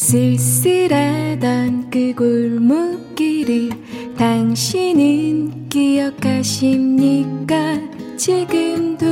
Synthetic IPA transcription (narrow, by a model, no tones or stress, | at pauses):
sesɯɾad̪ankɯɡoɭmɯk͈ːiɾi | t̪aŋɕinɯnkijʌkʰːaɕimɲik͈at͡ɕʰiɡɯmd̪o